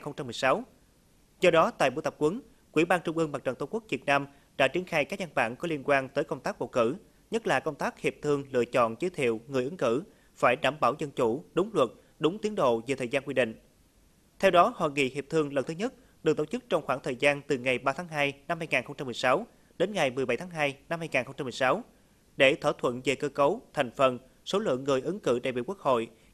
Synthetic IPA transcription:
nxə˧wŋ͡mt͡ɕa˧mɨ˨˩jsa˨˦w | zɔ˧ɗɔ˨˦t̪a̰ː˧˨jɓu˧˥t̪ə˨˩p̚kwə˨˦n | kwḭ˧˩ɓaː˧nt͡ɕʊ˧ŋ͡mʔɨ˧əŋma˨˩t͡ɕə˨˩nt̪ə˧ŋ͡mku˦˥k̚vi˨˩t̚naː˧m | ɗa̰ː˧˥t͡ɕi˨˧˦ənxaː˧jkaː˦˥k̚ɲa˧nɓa̰ː˧˩˨nkɔ˨˦li˧ənkwaː˧nt̪əː˨˦jkə˧wŋ͡mt̪aː˦˥k̚ɓo̰˧˨kɨ˧˩ | ɲə˦˥t̚laː˨˩kə˧wŋ͡mt̪aː˦˥k̚hi˨˩əp̚t̪ʰɨ˧əŋlɨ̰˧ət͡ɕɔ̰˧˨nt͡ɕəː˨˦jt̪ʰḭ˧˨əwŋɨ˨˩əʔɨ˨˦ŋkɨ˧˩ | faː˧˩jɗaː˧˩mɓaː˧˩wzə˧nt͡ɕu˧˩ɗʊ˨˦ŋ͡mlwə˨˩t̚ | ɗʊ˨˦ŋ͡mt̪i˨˦ənɗo̰˧˨ve˨˩t̪ʰəː˨˩zaː˧nkwi˧ɗḭ˧˨ŋ̟ | t̪ʰɛ˧wɗɔ˨˦hwa̰ː˧˨˩ŋḭ˧˨hi˨˩əp̚t̪ʰɨ˧əŋlə˨˩nt̪ʰɨ˨˦ɲə˦˥t̚ | ɗɨ˨˩k̚t̪o˧˩wt͡ɕɨ˦˥k̚t͡ɕɔ˧wŋ͡mxwaː˧˩ŋt̪ʰəː˨˩jzaː˧nt̪ɨ˨˩ŋa˨˩jɓaː˧t̪ʰaː˨˦ŋɦaː˧jna˧mhaː˧jŋaː˨˩nxə˧wŋ͡mt͡ɕa˧mɨ˨˩əjsa˨˦w | ɗe˨˦nŋa˨˩jmɨ˨˩əjɓa˧˩jt̪ʰaː˨˦ŋɦaː˧jna˧mhaː˧jŋaː˨˩ŋxə˧wŋ͡mt͡ɕa˧mɨ˨˩jsa˨˦w | ɗe˧˩t̪ʰwaː˧˩t̪ʰwə̰˧˨nve˨˩kəː˧kə˨˦wt̪ʰa˨˩jŋ̟fə˨˩n | so˨˦lɨ̰˧˨əŋːɨ˨˩əjʔɨ˨˦ŋkɨ̰˧˩ɗa̰ː˧˨jɓḭ˧˨ku˦˥k̚ho̰˧˨j

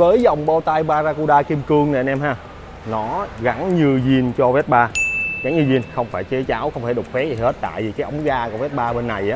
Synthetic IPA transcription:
vəː˨˦jza˨˩wŋ͡mɓo˧t̪a˧jɓaː˧zaː˧ku˧ɗaː˧ki˧mkɨ˧əŋnɛ˨nʔɛ˧mhaː˧˩ | nɔ˨˦ɣa˨˦ŋɲɨ˧zi˧nt͡ɕɔ˧vɛ˦˥t̚ɓaː˧ɣa˨˦nɲɨ˧zi˧ənxə˧wŋ͡mfaː˧˩jt͡ɕə˨˦t͡ɕaː˨˦wxə˧wŋ͡mt̪ʰaː˧˩ɗʊ˨˩k͡p̚fɛ˦˥zi˨˩he˦˥t̚t̪a̰ː˧˨jvi˨˩kaː˨˦ʔə˨˦wŋ͡mɣaː˧kɔ˨˧˩vɛ˦˥t̚ɓaː˧ɓe˧nːa˨˩jʔaː˨˦

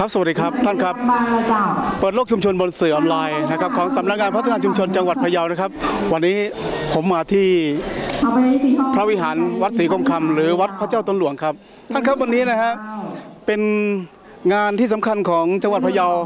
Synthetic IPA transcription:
kʰa˦˥sa˧wa˨˩t̚diː˧kʰa˦˥p̚t̪ʰa˥˩nkʰa˦˥p̚ː | pːɤː˨˩t̪̚lo˥˩k̚t͡ɕu˧mt͡ɕʰo˧nbo˧nsɯː˨˩ʔɔː˧nlaː˧jna˦˥kʰa˦˥p̚kʰɔː˩˦ŋsa˩˦mna˦˥k̚ŋaː˧npʰa˦˥t̪ʰːa˧naː˧t͡ɕu˧mt͡ɕʰo˧nt͡ɕa˧ŋwa˨˩t̪̚ʰa˧jaː˧wna˦˥˩kʰa˦˥p̚wa˧nːiː˦˥pʰo˩˦mːaː˧t̪ʰiː˥˩ | pʰɾa˦˥wi˦˥ɦaː˩˦nwa˦˥t̪̚siː˩˦kʰo˧mkʰa˧mɾɯː˩˦wa˦˥t̪̚pʰa˦˥t͡ɕaː˥˩wt̪o˧˩nlu˩˦əŋkʰa˦˥p̚ | t̪ʰa˥˩nkʰa˦˥p̚wa˧nːiː˦˥na˦˥kʰa˦˥ʔpe˧n | ŋaː˧nt̪ʰiː˥˩sa˩˦mkʰa˧nkʰɔː˩˦ŋt͡ɕa˧ŋa˨t̪̚pʰa˧ja˧w

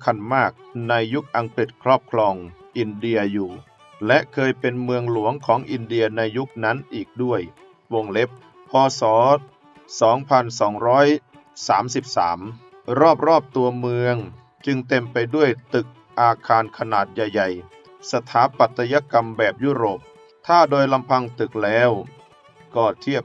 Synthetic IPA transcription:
kʰa˧nmaː˥˩k̚na˧jːu˦˥k̚ʔa˧ŋkɾi˨˩t̪̚kʰɾɔː˥˩p̚kʰlɔː˧ŋʔi˧ndi˧ɐjuː˨˩ | lɛ˦˥ʔkʰɤː˧jpe˧nmɯ˧əŋlu˨˩˦əŋkʰɔː˩˦ŋʔi˧ndi˧ɐna˧jːu˦˥k̚na˦˥nʔiː˨˩k̚du˥˩əj | wo˧ŋle˦˥p̚ʰː | ɔː˧sɔː˩˦ | sɔː˩˦ŋpʰa˧nsɔː˩˦ŋɾɔː˦˥j | saː˩˦msi˨˩p̚sa̰ː˩˦m | ɾɔː˥˩p̚ɾɔː˥˩p̚t̪u˧ɐmɯ˧əŋ | t͡ɕɯ˧ŋt̪e˧mpa˧jdu˥˩əjt̪ɯ˨˩k̚ | ʔaː˧kʰaː˧nkʰa˧naː˨˩t̪̚ja˨˩jːa˨˩j | sa˧t̪ʰaː˩˦˥pa˨˩t̪ʰːa˧ja˧˥ka˧mbɛː˨˩p̚juː˥˩ɾoː˨˩p̚ | t̪ʰaː˥˩doː˧jla˧mpʰa˧ŋt̪ɯ˨˩k̚lɛː˦˥w | kɔː˧˩t̪ʰi˥˩əp̚

